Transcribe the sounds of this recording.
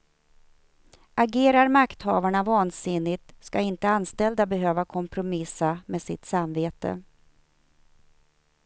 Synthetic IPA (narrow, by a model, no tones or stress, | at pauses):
ʔaɡeːɾaɾmakt̪hɑːvaɳavɑːnsɪnːɪt̪skaɪnt̪əanst̪ɛld̪abɛɦøːvakʰɔmpʰɾʊmɪsameːsɪ̰t̪samveːt̪ə̰